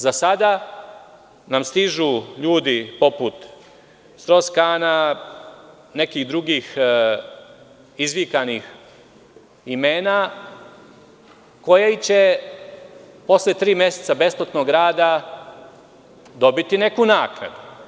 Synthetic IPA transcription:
zasad̪a | namst̪iʒuʎuːd̪ipo̞put̪ | st̪ɾo̞skaːna | ne̞kiːɣd̪ɾuɡiːx | izʋikanix | imeːna | ko̞jeit͡ɕe̞ | po̞slet̪ɾiːmje̞set̪sabe̞splot̪no̞ɡɾaːd̪a | d̪o̞bit̪ine̞kunaːkna̰d̪u

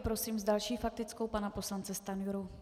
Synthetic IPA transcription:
pɾo̞siːmzdalʃiːfak̚t̪ɪt͡sko̞wpanapo̞slant͡sɛst̪anjuɾu

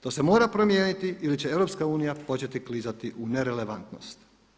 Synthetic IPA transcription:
t̪o̞se̞mo̞ːɾapɾo̞mjeːnit̪iilit͡ɕee̞ʋɾo̞pskauːnijapo̞t͡ɕe̞t̪iklizat̪iʔune̞ɾele̞ʋant̪no̞̰st̪

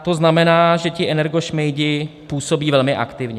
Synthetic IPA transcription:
t̪o̞znamɛnaːʒɛcɪʔɛnɛɾɡo̞ʃmɛjdɪpuːso̞biːvɛlmɪʔa̰kt̪ɪvɲɛ

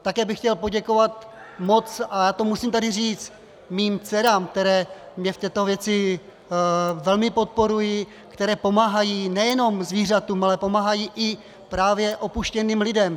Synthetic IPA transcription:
t̪akɛːbɪxcɛlpo̞ɟɛko̞vat̪ | mo̞t͡sʔajaːt̪o̞musiːmt̪adɪriːt͡st̪ | miːmt͡sɛɾaːmk̚t̪ɛɾɛːmɲɛft̪ɛːt̪o̞vjɛt͡sɪ | vɛlmɪpo̞t̪̚po̞ɾujɪ | kt̪ɛɾɛːpo̞maːɦajinɛjɛno̞mzviːr̝at̪uːmalɛpo̞maːɦajiːʔɪ | pɾaːvjɛʔo̞puʃcɛniːmlɪdɛm

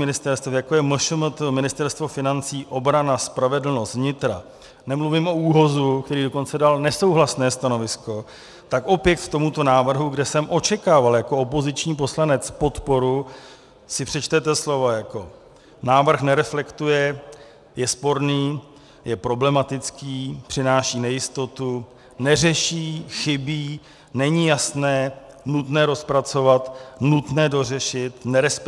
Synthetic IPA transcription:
mɪnɪst̪ɛɾst̪jakojɛməʃʊmət̪mɪnɪst̪ɛɾst̪vo̞fɪnant͡siːʔo̞bɾanaspɾavɛdl̩nost̪vɲɪt̪ɾa̰ | nɛmluvɪmʔo̞uːɦo̞zukt̪ɛɾiːdo̞ko̞nt͡sɛdalnɛso̞wɦlasnɛːst̪ano̞vɪsko̞ | t̪akʔo̞pjɛk̪kt̪o̞mut̪onaːvr̩ɦuɡdɛsɛmʔo̞t͡ʃɛkaːvaljako̞opo̞zɪt͡ʃɲiːp̬o̞slanɛt͡spo̞t̪po̞ɾu | sɪpr̝̥ɛt͡ʃt̪ɛt̪ɛslo̞vajako̞ | naːvr̩xnɛɾɛflɛkt̪ujɛ | jɛspo̞ɾniː | jɛpɾo̞blɛmat̪ɪt͡skiːpr̝̥ɪnaːʃiːnɛjɪst̪o̞t̪u | nɛrɛʃiːxɪbiː | nɛɲijasnɛːnut̪nɛːɾo̞spɾat͡so̞vat̪nut̪nɛːdo̞r̝ɛʃɪt̪nɛɾɛsp

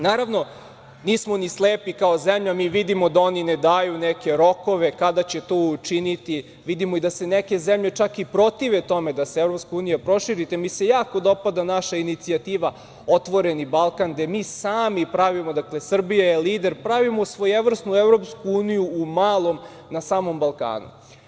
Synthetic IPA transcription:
naːɾaʋno̞ | niːsmo̞nisleːpikaozemʎamiːʋid̪imod̪ao̞nined̪aːjuneke̞ɾo̞ko̞ʋe̞kad̪at͡ɕe̞t̪oːut͡ʃinit̪i | ʋid̪imoid̪ase̞neke̞zemʎe̞t͡ʃakipɾo̞t̪iʋet̪o̞me̞d̪aseevɾo̞pskauːnijapɾo̞ʃiɾit̪emisejaːkod̪o̞pad̪anaʃainit̪siat̪iːʋa | o̞t̪ʋo̞ɾe̞nibalˠkand̪e̞miːsaːmipɾaʋimod̪akle̞sr̩bijaeliːd̪e̞ɾpɾaʋimosʋojeʋr̩snuevɾo̞pskuuːnijuːmaːlˠo̞m | nasaːmo̞mbalˠka̰ːnṵ

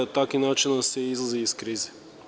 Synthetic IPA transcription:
ɐt̪akinat͡ʃinəsɛizlˠəziːskɾizə

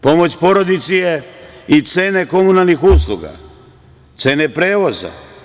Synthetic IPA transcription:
po̞mo̞t͡ɕpo̞ɾod̪it̪sijeit̪se̞ːne̞ko̞munalˠnixuːslˠuɡa̰ | t̪se̞nepɾe̞ːʋo̞za̰

